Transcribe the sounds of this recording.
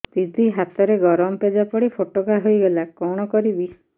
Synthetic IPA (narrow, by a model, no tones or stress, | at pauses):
d̪̥id̪ʱiɦat̪ɔɾeɡɔɾɔmɔped͡ʒapɔɽipʰoʈokaɦojɡelakɔɽ̃ɔkɔɾibi